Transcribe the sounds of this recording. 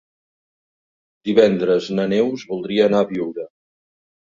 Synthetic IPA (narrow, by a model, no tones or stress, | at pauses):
d̪iβɛnd̪ɾəznənewzβulˠd̪ɾiəːnaβiwɾə